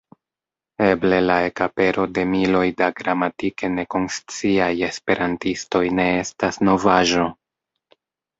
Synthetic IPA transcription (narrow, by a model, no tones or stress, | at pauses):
e̞ble̞lae̞kape̞ɾo̞de̞milo̞jdaɡɾamatike̞ne̞ko̞nst͡siaje̞spe̞ɾʔantisto̞jne̞e̞stasno̞vaʒo̞